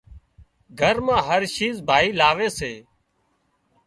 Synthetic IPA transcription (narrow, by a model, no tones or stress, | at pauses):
ɡʱəɾmãːɦəɾʃiːzbʱaːiːlaːʋeːseː